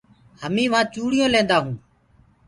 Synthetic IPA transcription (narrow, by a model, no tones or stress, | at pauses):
həmĩːʋãːt͡ʃuːɽɪjõːlẽːnd̪aːɦũː